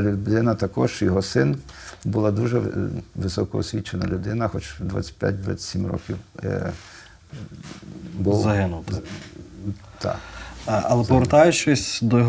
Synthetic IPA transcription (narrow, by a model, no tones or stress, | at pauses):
lʲʊd̪ɪnɐt̪ɐkɔʃt͡ʃjɔɦɔsɪnbʊlˠɑd̪uʒɛʋɪsɔkɔɔsʲʋʲit͡ʃenɐlʲʊd̪ɪnɐxɔt͡ʃd̪ʋa̰t͡sʲə̥pʲja̰t̚ʲd̪ʋa̰t͡sʲsʲimrɔ̰kʲiw | buzɐɦɪnʊt̪ | t̪ɑ̰ | ɐlˠɛpɔʋɾt̪ɑjʊt͡ʃɪsʲd̪ɔjɔɦ